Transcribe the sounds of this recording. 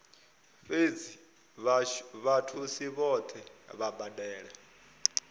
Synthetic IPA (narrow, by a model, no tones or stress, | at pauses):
fed͡zi | βatʰusiβɔt̪ʰɛβabadɛːɺɛ